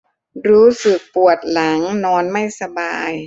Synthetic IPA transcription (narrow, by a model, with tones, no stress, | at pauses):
ɾuː˦˥sɯ˨˩k̚pu˨˩ət̪̚la˩˦ŋnɔː˧nma˥˩jsa˧baː˧j